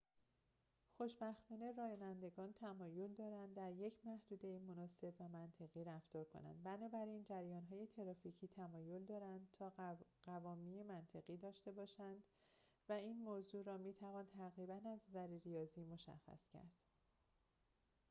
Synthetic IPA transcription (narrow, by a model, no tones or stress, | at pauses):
xo̞ʃbæxt̪ɒːneɾɒːjɒːnænd̪e̞ɡɒːnt̪ʰæmɒːjo̞ld̪ɒːɾænd̪d̪æɾje̞cʰmæhd̪uːd̪e̞imo̞nɒːse̞bvæmænt̪ʰe̞ɣiːɾæft̪ɒːɾkʰo̞̰næ̰nd̪bænɒːbæɾind͡ʒæɾjɒːnɦɒːje̞t̪ʰe̞ɾɒːficʰiːt̪ʰæmɒːjo̞ld̪ɒːɾænd̪̚t̪ʰɒːɢævɒːmiːemænt̪ʰe̞ɣiːd̪ɒːʃt̪e̞bɒːʃænd̪ | væiːnmoːzuːɾɒːmiːt̪ʰævɒːnt̪ʰæɣɾiːbænæzzæɾiɾijɒːziːmo̞ʃæ̰xːæ̰scʰæ̰ɾd̪̥